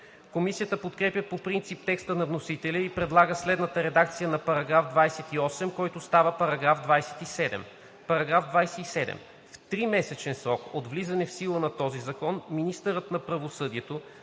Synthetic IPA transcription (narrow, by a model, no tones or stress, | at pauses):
komisijət̪əpot̪kɾɛpʲjəpopɾint̪sip̚t̪ɛkst̪ənɐvnosit̪ɛlʲəipɾɛd̪lˠaɡəslɛd̪nət̪əɾɛd̪ak̚t̪sijənɐpɐɾɐɡɾafd̪vajsɛt̪iɔsɛmkɔjt̪ost̪avəpɐɾɐɡɾavd̪vajsɛ̥t̪isɛd̪ɛ̰m | pɐɾɐɡɾavd̪vajsɛisɛd̪ɛ̰m | ft̪ɾimɛsɛt͡ʃɛnsɾɔkod̪vlizɐnɛfsilˠənɐt̪ɔzizɐkɔnminist̪əɾət̪nɐpɾɐvosɤd̪iɛt̪o